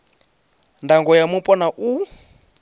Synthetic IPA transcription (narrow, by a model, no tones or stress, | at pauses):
ndaŋɡɔjamupʼɔnaʔu